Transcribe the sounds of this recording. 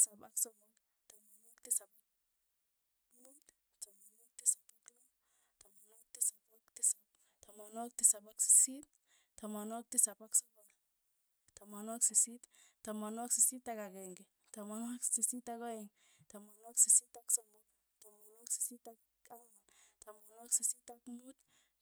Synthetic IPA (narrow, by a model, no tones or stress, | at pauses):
sapaksɔmɔk | tamanɔktisapa | ut | tamanɔk̚tisapatu | tamanɔk̚tisapaktisap̚ | tamanɔk̚tisapaksi̥sit̚ | tamanɔk̚tisapaksɔbɔl | tamanwaksisittamanwaksisitakakɛŋɡe | tamanaksisitakɔɛŋtamanaksisitaksɔmɔt | tamanwaksi̥sita | aaŋtamanwaksisitakmut